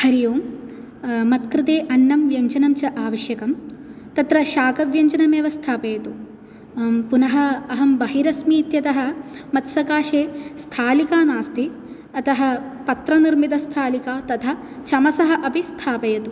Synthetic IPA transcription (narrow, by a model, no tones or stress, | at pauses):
hɐɾijoːm | mɐt̪kɾɪt̪eːʔɐnːɐmʋjɐɲt͡ʃɐnɐmt͡ʃɐʔaːʋɐʃjɐkɐm | t̪ɐt̪ɾɐʃaːkɐʋjɐɲt͡ʃɐnɐmjɐʋɐst̪ʰaːpɐjɐt̪u | punɐɦɐ̆ːɦɐmbɐɦiɾɐsmiːt̪jɐt̪ɐɦɐ̆mɐt̪sɐkaːʃeːst̪ʰaːlikaːnaːst̪ʰi | ɐt̪ɐɦɐ̆pɐt̪ɾɐniɾmit̪ɐst̪ʰaːlikaːt̪ɐt̪ʰɐ | t͡ʃʰɐmɐsɐɦɐʔɐpist̪ʰaːpɐjɐt̪u